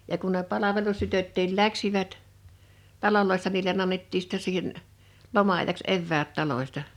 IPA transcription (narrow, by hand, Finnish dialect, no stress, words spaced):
jɑ kun ne pɑlɑʋelustytøtːiːl læksiʋæt tɑloloisːɑ niːlen ɑnːetːiː sĭtːɛ siːhen lomɑɑĭjɑks eʋːæːt tɑlosʲtɑ